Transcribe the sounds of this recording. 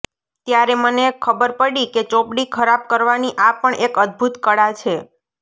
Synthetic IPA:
t̪jaɾemənekʰːəbəɾpəɽiket͡ʃopɽikʰəɾab̚kəɾʋaniʔapəɳʔekəd̪̚bʱut̪kəɽat͡ʃʰe

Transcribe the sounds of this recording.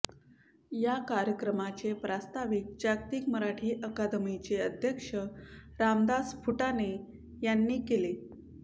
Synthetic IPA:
jakaɾjəkɾəmat͡ɕepɾast̪aʋik̚d͡ʑakt̪iːkməɾaʈʰiːʔəkad̪əmit͡ɕeəd̪ʱjəkʂəɾamd̪asfuʈane | janːiːkele

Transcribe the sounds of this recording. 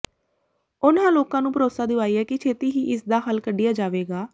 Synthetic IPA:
ʊnãːloːkãːnũːpəɾoːsaːd̪ɪʋaːiːɛːkɪt͡ʃʰeːt̪iːɦiːʔɪsd̪aːɦəlkəɖɪjaːd͡ʒaːʋeːɡaː

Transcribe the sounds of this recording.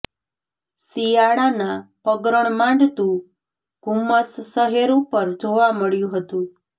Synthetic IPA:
sijaɽanapəɡɾəɳ̃mãɳɖt̪ũ | ɡ̥ʱumːəsːəɦeɾũpəɾd͡ʒoʋaməɭjũɦət̪ũ

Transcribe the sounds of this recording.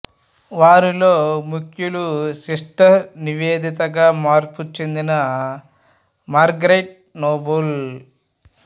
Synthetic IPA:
ʋaːɾiloːmukʰjulusiʂʈɐniʋeːd̪it̪ɐɡaːmaːɾput͡ʃe̞nd̪inɐ | maːɾɡɾeʈ̚ | noːbɐl

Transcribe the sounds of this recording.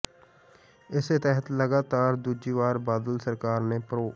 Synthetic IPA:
ɪset̪əɦət̪ləɡaːt̪aːɾd̪uːd͡ʒiːʋaːɾbaːd̪əlsəɾkaːɾnepɾoː

